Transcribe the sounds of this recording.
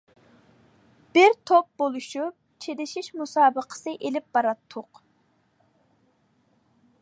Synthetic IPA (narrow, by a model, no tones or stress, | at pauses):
b̥ɪɾt̪ʰop̚bolˠuʃup̚t͡ʃʰed̪ɪʃiʃmusɑːbəqʰə̥sɨʔelɪp̚b̥ɑɾɑt̪ʰːʊq